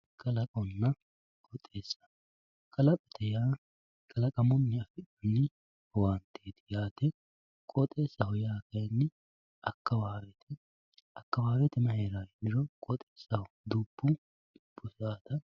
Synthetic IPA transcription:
kʼɐlɐkʼɔnːɐ | kʼɔt̪ʼːe̞ːsːɐ̥ | kʼɐlɐpʼɛt̪ʰɛjaː | kʼɐlɐkʼɐmɔnːɛɐfɪᶑɐnːɪ | want̪ʰeːd̪ɪjaːt̪ɛ | kʼɔt̪ʼeːsːɐhɔjaːkɐjnːɛ | ɐkːɐwaːwɛt̪ʰɛ | ɐkːɐwaːwɛt̪ɛmɐɦeːɾaːɡd̪ɪɾɔkʼɔt̪ʼeːsːɐhɔ | d̪uːb̥ːʊ | b̥ʊsaːt̪ɐ

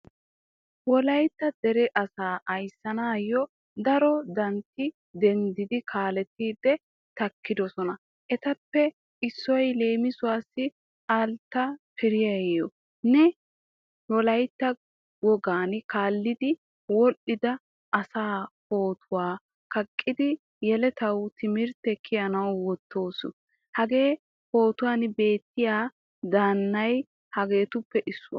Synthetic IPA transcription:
wɔlɐjt̪ːɐd̪ɛɾɛʔɐsaːʔɐjsːɐnaːjːɔ | d̪ɐɾɔd̪ɐnt̪ːɪ | d̪ɛnd̪ɪd̪ɪkʰaːlɛt̪ːiːd̪ːɛ | t̪ɐkːɪd̪ɔsɔnɐ | ʔɛt̪ɐpːɛ | ɪsːɔjle̞ːmɪsʊwaːsːɪ | aːlt̪ːɐpɪɾɪjɐjɔ | nɛ | wɔlɐjt̪ːɐ | wɔɡaːnkaːlːɪd̪ɪ | wɔʔɪd̪ɐ | ʔɐsaːpo̞ːt̪ʰʊwaː | kɐkʼːɪd̪ɪ | jɛlɛt̪ɐwt̪ʰɪmɪɾt̪ɛkʰːɪjɐnɐwwɔt̪ːo̞ːsʊ | hɐɡe̞ː | po̞ːt̪ʊwaːnbe̞ːt̪ːɪjaː | d̪aːnːɐj | hɐɡe̞ːt̪ʊpːɛʔɪsːʊwa̰

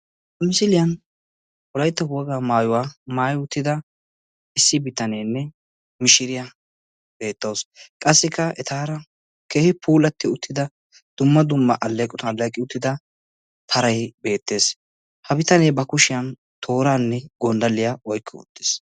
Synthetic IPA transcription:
ɐmɪsɪlɪjɐn | ɔlɐjt̪ːɐwɔɡaːmaːjʊwaːmaːjʊt̪ːɪd̪ɐ | ɪsːɪbɪt̪ɐneːnːɛ | mɪʃɪɾɪja | b̥e̞ːt̪ːɐwskʼɐsːɪkːɐɛt̪aːɾɐ | ke̞ːhɪpʰuːlɐt̪ːɪʊt̪ːɪd̪ɐ | d̪̥ʊmːɐd̪ʊmːɐʔɐlːeːkʼːɔt̪ɐɐlːeːkʼɪʊt̪ːɪd̪ɐ | t̪ʰɐɾɐjbe̞ːt̪ːe̞ːs | hɐbɪt̪ɐneːbɐkʊʃɪjɐn | t̪ʰo̞ːɾaːnːɛɡɔnd̪ɐlːɪjaɔjkʰːɪʊ̰t̪ːɪ̥s

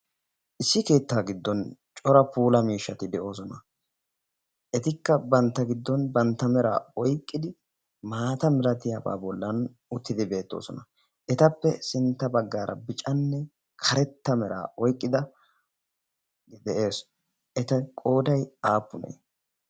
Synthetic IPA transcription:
ʔɪsːɪke̞ːt̪ːaːɡɪd̪ːɔnt͡ʃʼɔɾɐpuːlɐmiːʃːɐt̪ɪd̪ɛʔo̞ːs̬ɔnɐ | ʔɛt̪ɪkːɐbɐnt̪ːɐɡɪd̪ːɔnbɐnt̪ːɐmɛɾa̰ːɔjkʼːɪd̪ɪ | maːt̪ɐmɛlɐt̪ɪjaba̰ːbɔlːɐn | ʊt̪ːɪd̪ɪbe̞ːt̪ːo̞̰ːsɔnɐ | ʔɛt̪ɐpːɛsɪnt̪ːɐbɐɡːaːɾʔɐ̰bɪt͡ʃʼɐnːɛ | kʰɐɾɛt̪ːɐmɛɾa̰ːʔɔjkʼːɪd̪ɐ | d̪ɛʔe̞ːs | ʔɛt̪ɐkʼo̞ːd̪ɐjaːpːʊnḛː

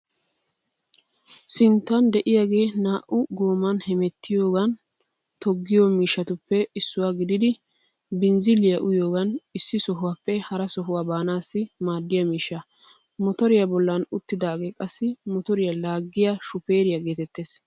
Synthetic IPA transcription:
sɪnt̪ːɐnd̪ɛʔɪjaːɡe̞ːnaːʔʊɡo̞ːmɐnhɛmɛt̪ːɪjo̞ːɡɐn | t̪ɔɡːɪjomiːʃːɐt̪ʊpːɛɪsːʊwaːɡɪd̪ɪd̪ɪ | bɪnzɪlɪjɐʔʊjo̞ːɡɐnɪsːɪsɔɦʊwaːpːɛhɐɾɐsɔɦʊwaːbaːnaːsːɪmaːd̪ːɪjɐmiːʃːɐ | mɔt̪ɔɾɪjɐbɔlːɐnʊt̪ːɪd̪aːɡe̞ːkʼɐsːɪmɔt̪ɔɾɪjɐlaːɡːɪjaʃʊpeːɾɪjɐɡeːt̪ɛt̪ːeːs

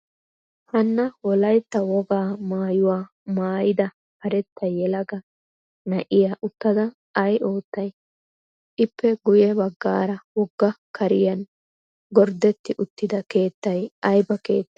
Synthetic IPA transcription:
hɐnːɐwɔlɐjt̪ːɐwɔɡaːmaːjʊwaː | maːjɪd̪ɐ | hɐɾɛt̪ːɐjɛlɐɡɐ | nɐʔɪjaːʔʊt̪ːɐd̪ɐ | ɐjʔo̞ːt̪ːɐj | ʔɪpːɛɡʊjɛbɐɡːa̰ːɾɐwɔɡːɐkʰɐɾɪjɐn | ɡɔɾd̪ɛt̪ːɪʔʊt̪ːɪd̪ɐke̞ːt̪ːɐjʔɐjbɐke̞̰ːt̪ːɪ

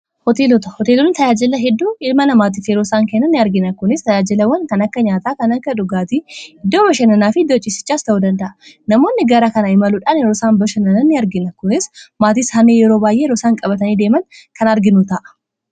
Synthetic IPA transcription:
hɔt̪eːlɔt̪ɐhɔt̪eːlɔnt̪ɐjaːd͡ʒɪlɐɦɛd̪ːuːɪlmɐnɐmaːt̪̬iːfjɛɾo̞ːsaːŋkɛnːɐnːɪɐɾɡɪnɐkʊnɪst̪ɐjaːd͡ʒɪlɐwɐnkɐnɐkːɐɲaːt̪aːkɐnɐkːɐᶑʊɡaːt̪iɪd̪ːoːbɐʃɐnɐnaːfɪɪd̪ːot͡ʃʼːɪsɪ̥t͡ʃːaːst̪ɐʔuːd̪ɐnd̪ɐʔɐ | nɐmo̞ːnːɪɡɐɾakɐnɐɪmɐluːᶑaːnjɛɾoːsaːnbɐʃɐnɐnɐnːɪɐɾɡɪnɐkʊnɪsmaːt̪̬iːshɐnːeːjɛɾo̞ːbaːjʔeːjɛɾoːsaːŋkʼɐbɐt̪ɐniːd̪e̞ːmɐŋkɐnɐɾɡɪnut̪ɐʔɐ̥

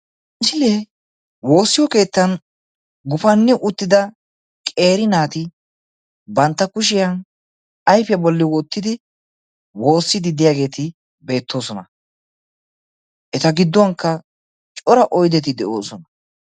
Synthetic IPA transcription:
sɪleː | wo̞ːsːɪjɔke̞ːt̪ːɐn | ɡʊfɐnːɛʔʊt̪ːɪd̪ɐ | kʼe̞ːɾɪnaːt̪ɪ | bɐnt̪ːɐkʊʃ̬ɪjɐn | ɐjfɪjɐbɔlːɪwɔt̪ːɪd̪ɪ | wo̞ːsːɪd̪ɪd̪ɪjaːɡe̞ːt̪ɪ | be̞ːt̪ʰːo̞ːsɔnɐ | ʔɛt̪ɐɡɪd̪ːɔwɐŋkːɐ | t͡ʃʼɔɾɐʔɔjd̪ɛt̪ɪd̪ɛʔo̞ːsɔnɐ

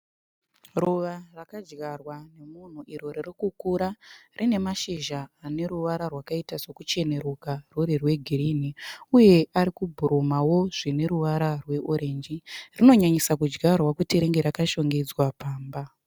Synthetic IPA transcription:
ruʋarakad͡ʒɡarwane̞mun̤uʔiɾo̞ririkukuɾarʔine̞maʃiʒaːne̞ɾuʋaɾarwakaitase̞kut͡ʃe̞ne̞ɾukaruɾirwe̞ɡʱiriniuje̞aɾikubʱuɾomawo̞ʐine̞ɾuʋaɾarwe̞ʔoɾe̞nd͡ʒirino̞ɲaɲisakud͡ʒɡarwakutiɾeŋɡe̞ɾakaʃo̞ŋɡed͡zwapaːmba

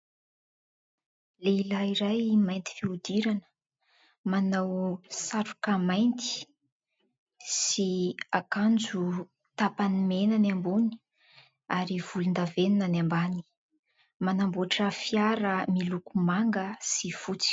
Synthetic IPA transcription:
leilaiɾajmajnt̪i̥fiud̪iɾanə̥ | manawsaɾu̥kamajnt̪i̥ | siakand͡zu | t̪apanimenanambuni̥ | aɾiv̥ulund̪avenunanambani̥ | manambuaʈ͡ʂəfiaɾəmilukumaŋɡəsifut͡si̥

